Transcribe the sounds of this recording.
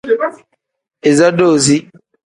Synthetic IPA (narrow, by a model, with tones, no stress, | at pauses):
e˨za˦do˦˨zi˦